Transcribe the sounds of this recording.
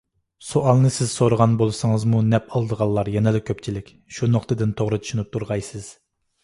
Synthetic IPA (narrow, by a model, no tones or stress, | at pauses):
soʔɑlˠnɨsɪz̥soɾəʁɑnbolˠɨsɨŋəzmunɛpɑlˠd̪əʁɑlˠːɑɾjɛnɪlɪkʲʰøpt͡ʃʰilɪkʲ | ʃunoχt̪ɨd̪ɪnt̪ʰoʁɾɨt̪ʰy̥ʃunɪp̚t̪ʰuɾʁɑjsɨz̥